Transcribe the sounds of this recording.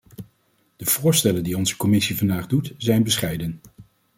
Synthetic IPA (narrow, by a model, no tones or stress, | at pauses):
d̥əv̥ʊːɹstɛləndiɔnzəkɔmɪsivɑndaːχdutzɛjnbəsχɛjdən